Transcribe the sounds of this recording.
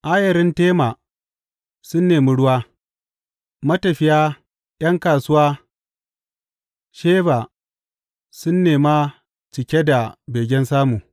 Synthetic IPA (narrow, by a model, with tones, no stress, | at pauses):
ʔaː˦jɐ˨ɾɪ˦nteː˦maː˨ | sʊ˦nːeː˨mʊ˦ɽʊ˦waː˦ | mɐ˦tɐ˨ɸɪ˦jaː˦ | j̰ɐ˦ŋkaː˨sʊ˦waː˦ | ʃeː˦baː˨ | sʊ˦nːeː˨ma˦ | t͡ʃɪ˨kʲe˦da˨beː˨ɡʲɛ˦nsaː˦muː˨